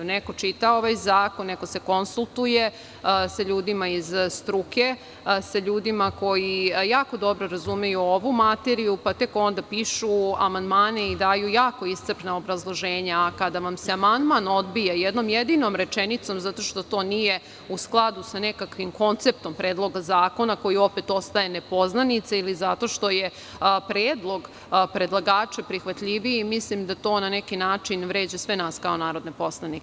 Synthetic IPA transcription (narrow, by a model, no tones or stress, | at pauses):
neko̞t͡ʃit̪aoʋajzaːko̞nnːeko̞se̞ko̞nsulˠt̪uje | saʎuːd̪imaizst̪ɾuke̞ | saʎuːd̪imako̞jijaːko̞d̪o̞bɾo̞ɾazumejuoʋumat̪eɾijupat̪e̞ko̞nd̪apiːʃuamand̪maːne̞id̪aːjujaːko̞ist̪sɨɾpnao̞bɾazlˠo̞ʒeːɲakad̪aʋamseamand̪mano̞d̪̚bijajed̪no̞mjed̪ino̞mɾet͡ʃenit̪so̞mzat̪o̞ʃt̪o̞t̪o̞ːnije̞ | usklˠad̪usane̞kakʋimko̞nt̪sep̚t̪o̞mpɾe̞ːd̪lˠo̞ɡazaːko̞nako̞jio̞pet̪o̞st̪aje̞nepo̞znanit̪seilizat̪o̞ʃt̪o̞je̞ | pɾeːd̪lˠo̞ɡ | pɾe̞d̪lˠaɡaːt͡ʃepɾixʋat̪ʎiʋiimislimd̪at̪o̞ːnanekinaːt͡ʃinʋɾe̞ːd͡ʑesʋenaːskao̞naːɾo̞d̪nepo̞slˠanik